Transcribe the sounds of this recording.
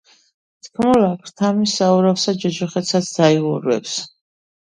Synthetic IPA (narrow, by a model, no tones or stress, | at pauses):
t̪ʰkʰmɔlakʰɾt̪ʰamisauɾafsad͡ʒɛd͡ʒɔχɛt̪sat̪sʰd̪̥aivɔɾwɛ̰ps